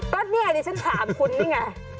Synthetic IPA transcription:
k̪ɔː˦˥t̪̚ni˦˥˩ɐdiː˧˩t͡ɕʰa˦˥nt̪ʰaː˨˩˦mkʰu˧nːi˦˥˩ŋa˧˩

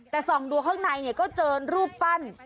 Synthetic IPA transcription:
t̪ɛː˨˩sɔː˩˦ŋdu˧ɐkʰaː˥˩ŋna˧jni˥˩ɐkɔː˥˩t͡ɕɤː˧nɾuː˥˩p̚fa˥˩n

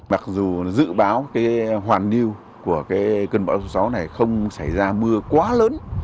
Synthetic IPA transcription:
ma˨˩k̚zu˨˩zɨ̰˧˨ɓaː˨˦wkaː˨˦jɦwaː˨˩nːi˧əw | ku˧˩əkaː˨˦jkə˧nɓa̰ː˧˥˩wso˨˦sa˨˦wna˨˩jxə˧wŋ͡msa˧˩jzaː˧mɨ˧əkwaː˨˦ləː˨˦n

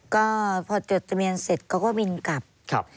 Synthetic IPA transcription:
kɔː˥˩pʰɔː˧t͡ɕoː˨˩t̪ːa˧mi˧ənse˨˩t̪̚kʰɔ˧˥˩wkɔː˥˩mi˧nka˨˩p̚kʰp̚

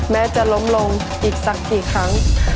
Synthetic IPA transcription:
mɛː˦˥t͡ɕa˨˩ʔlo˦˥mlo˧ŋ | ʔiː˨˩k̚sa˦˩k̚kiː˨˩kʰɾa˦˥ŋ

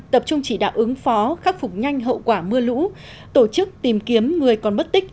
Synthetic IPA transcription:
t̪ə˨˩p̚t͡ɕʊ˧ŋ͡mt͡ɕi˧˩ɗa̰ː˧˨˩wʔɨ˨˦ŋfɔ˨˦xa˦˥k̚fʊ˨˩k͡p̚ɲa˧jŋ̟ɦə̰˧˨wkwaː˧˩mɨ˧əlṵ˧˥ | t̪o˧˩t͡ɕɨ˦˥k̚t̪i˨˩mki˨˦əmŋɨ˨˩əjkɔ˨˩nɓə˦˥t̚t̪ï˦˥k̟̚

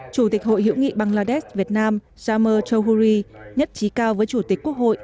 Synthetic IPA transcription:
t͡ɕu˧˩t̪i˨˩k̟̚ho̰˧˨jɦḭ˧˥wŋḭ˧˨ɓa˨˩ŋlaː˧˩ɗɛ˦˥s̚vi˨˩ət̚naː˧m | zaː˧məː˧t͡ɕə˧wɦu˧ɾi˧ɲə˦˥t̚t͡ɕi˨˦kaː˧wvəː˨˦jt͡ɕu˧˩t̪i˨˩k̟̚ku˦˥ək̚ho̰˧˨jʔ

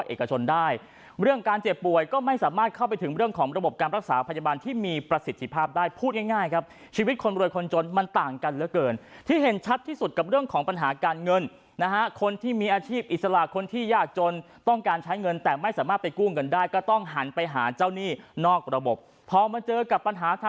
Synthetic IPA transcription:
ʔḛː˨˩ka˧t͡ɕʰo˧ndaː˥˩j | ɾɯ˥˩əŋkaː˧nt͡ɕe˨˩pːu˨˩əjkɔː˥˩ma˥˩jsaː˩˦maː˥˩t̪̚kʰa˥˩wpa˧jt̪ʰɯ˩˦ŋɾɯ˥˩əŋkʰɔː˩˦ŋɾa˧bo˨˩p̚kaː˧nɾa˦˥k̚sa̰ː˩˦pʰa˧jaː˧baː˧nt̪ʰiː˥˩miː˧pɾa˧si˨˩t̪ʰːi˧˩pʰaː˥˩p̚daː˥˩jpʰuː˥˩t̪̚ŋa˥˩jŋaː˥˩jkʰa˦˥p̚ | t͡ɕʰiː˧wi˦˥t̪̚kʰo˧nɾu˧jkʰo˧nt͡ɕo˧nma˧nt̪aː˨˩ŋka˧nlɛ˦˥kɤː˧nt̪ʰiː˥˩ɦe˨˩˦nt͡ɕʰa˦˥t̪ʰːiː˥˩su˨˩t̪̚ka˨˩p̚ɾɯ˥˩əŋkʰɔː˩˦ŋpa˧nɦaː˩˦kaː˧nŋɤ˧n | na˦˥kʰa˦˥kʰo˧nt̪ʰiː˥˩miː˧ʔaː˧t͡ɕʰiː˥˩p̚ʔi˨t̪̚sa˧la˨˩ʔkʰo˧nt̪ʰiː˥˩jaː˥˩k̚t͡ɕo˧n | t̪ɔ˥˩ŋkaː˧nt͡ɕʰa˦˥jŋɤ˧nt̪ɛː˨˩ma˥˩jsaː˩˦maː˥˩t̪̚pa˧jkuː˥˩ŋɤ˧ndaː˥˩jkɔː˥˩t̪ɔ˥˩ŋɦa˩˦npa˧jɦaː˩˦t͡ɕaː˥˩wniː˥˩nɔː˥˩k̚ɾa˧bo˨˩p̚ʰːɔː˧ma˧nt͡ɕɤː˧ka˨˩pːa˧nɦaː˨˦t̪ʰa˧

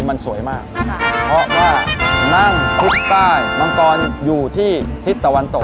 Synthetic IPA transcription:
ma˧nsu˨˩˦əjmaː˥˩k̚pʰɾɔ˦˥waː˥˩na˥˩ŋt̪ʰu˦˥k̚t̪aː˥˩jma˧nt̪ɔː˧njuː˨˩t̪ʰiː˥˩t̪ʰi˦˥t̪ːa˧wa˧nt̪o˨˩

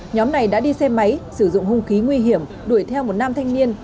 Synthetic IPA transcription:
ɲɔ˨˦mna˨˩jɗa̰ː˧˥ɗi˧sɛ˧mːa˨˦jsɨ˧˩zʊ̰˧˨ŋ͡mhʊ˧ŋ͡mxi˨˦ŋwi˧ɦi˧˩əm | ɗu˧˩əjt̪ʰɛ˧wmo˨˩t̚naː˧mt̪ʰa˧jŋ̟ni˧ən

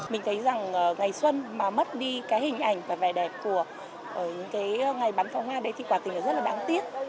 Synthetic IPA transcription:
mï˨˩ŋ̟t̪ʰə˨˦jza˨˩ŋʔəː˨˩ŋa˨˩jswə˧nmaː˨˩mə˦˥t̚ɗi˧kaː˨˦jhï˨˩ŋ̟ʔa˧˩jŋ̟vaː˨˩va˧˩jɗɛ˨˩p̚ku˧˩ə | ʔəː˧˩ɲɨ̰˧˥ŋkaː˨˦jŋa˨˩jɓa˨˦nfa˨˧˦whwaː˧ɗə˨˦jt̪ʰi˨˩kwaː˧˩t̪ï˨˩ŋʔaː˨˧˩zə˦˥t̚laː˨˩ɗaː˨˦ŋt̪i˦˥ət̚

